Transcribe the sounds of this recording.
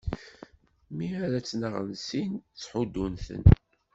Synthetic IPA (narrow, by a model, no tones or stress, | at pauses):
miaɾæt͡sːnəʁə̰nsint͡sːħud̪ːunθə̰n